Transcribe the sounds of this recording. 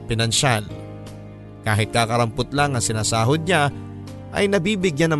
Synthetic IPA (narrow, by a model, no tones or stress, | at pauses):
pɪnɐnʃal | kaːɦɪt̪̚kaːkɐɾɐmpʊt̪laŋːɐsɪnaːsaːɦod̪̚ɲa | ʔɐ̰jnɐbiːbɪɡjanɐ